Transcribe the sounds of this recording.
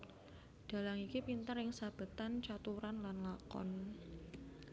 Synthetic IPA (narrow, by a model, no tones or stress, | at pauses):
d̥a̤laŋikipint̪ərɪŋsab̥ə̤t̪ant͡ʃat̪uɾanlanlakɔ̰n